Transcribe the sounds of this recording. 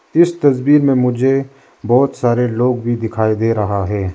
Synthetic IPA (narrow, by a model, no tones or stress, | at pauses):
ɪst̪ɐzbiːɾmẽmʊd͡ʒʱe | bɔːt̪saːɾeloːɡbʱid̪ɪkʰaːid̪eːɾɐɦaɦɛː